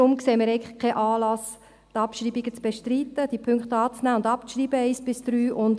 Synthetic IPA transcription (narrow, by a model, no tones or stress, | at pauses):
ʊmkseːmiːɾɛɪŋɪkʰɛʔɑːlɑs | t̪ɑpʃriːbiɡət͡sb̥eʃtriːt̪əd̥ipʰʏŋkχtɑːt͡snæːʊndɑpt͡sʃriːbəɛɪsb̥ɪsd̪̥ɾyːʔʊnd